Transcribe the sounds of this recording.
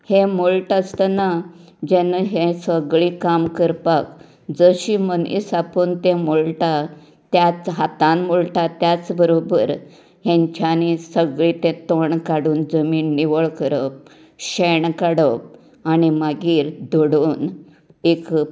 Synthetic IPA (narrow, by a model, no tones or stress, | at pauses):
hemolʈəst̪əna | d͡ʑenaɦesəɡɭĩkamkəɾpak | d͡zəɕimənḭsapənt̪ẽmolʈa | t̪jat͡sɦat̪ãmmolʈat̪jat͡sbəɾobəɾ | ɦẽɲt͡ɕjanisəɡɭĩt̪ẽt̪oɳkaɽuːnd͡zəmiːnːiʋəɭkəɾəp̚ | ɕeɳkaɽəp̚ | animaɡiːɾd̪ʱoɽuːn | ek